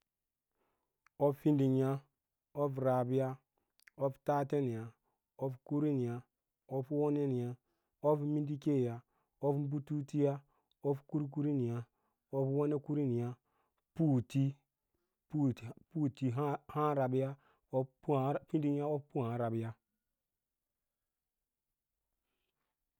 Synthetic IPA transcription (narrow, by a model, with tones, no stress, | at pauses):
o˦ffi˦ndi˨ɲ˦a˦ | o˦fɾa˨bi˦ja˦ | o˦fta˦te˦ni˨ja˨ | o˦fku˦ɾi˦ni˨ja˨ | o˦fwo˦ne˦ni˨a˦ | o˦fmi˦ndi˦ke˦˨ja˨ | o˦fm˦bu˦tu˦ti˦ja˦ | o˦fku˦ɾk̬u˦ɾi˦ni˨a˦ | o˦pwo˦ne˦ku˦ɾi˦ni˨ja˦ | pu˦˨ti˦ | pu˦˨pu˦ti˨ɦha˦ɾa˨bi˦ja˦ | o˦ppĩ˦ndi˦n˦a˦o˦ppu˦hã˨˦ɾa˨bi˦ja˦